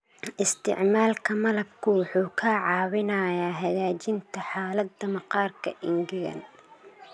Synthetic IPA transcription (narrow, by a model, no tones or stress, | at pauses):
ʔɪst̪ʰɪ̰ʕmaːlkʰɐmɐlɐbkʰʊwʊħuːkʰaʕɑːwɪnɐjaːɦɐɣaːt͡ʃɪnt̪ʰɐħaːlɐd̪ɐmɐqɑːrkʰɐ̰ʔɪŋɡɪɾɐ̰n